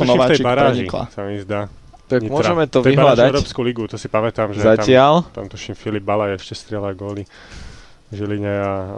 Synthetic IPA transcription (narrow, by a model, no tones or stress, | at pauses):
nɔʋaːɛjt͡ʃibaɾaʒɲiikla̰samiizd̪aː | t̪akimʊɔʒɛmɛt̪ɔʋiɦlad̪aɛɾɔːpskuliɡut̪ɔsipamɛt̪amʒzɛatɪalt̪amt̪uʃimfilib̚balajɛʃcɛst̪ɾɪɛlaɡɔːli | ʒiliɲɛa